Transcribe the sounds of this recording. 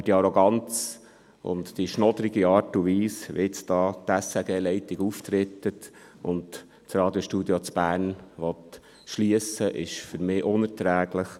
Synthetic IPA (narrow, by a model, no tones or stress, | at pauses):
d̥iɑɾɔɡɑnt͡s | ʊ̰ntd̥iʃnɔd̪əɾiɡiɑːɾtuʋiːsʋɪt͡sdɑːt̪ɛsɛɡeːlɛɪtɪɡuft̪ɾɪt̪ːət | ʊnt | t͡srɑːd̥̪joʃtud̪jot͡sb̥æːɾnʋɔt̪ | ʃliəsəʔɪ̰ʃfʏɾmɪːʔʊnəɾtɾæːɡlɪχ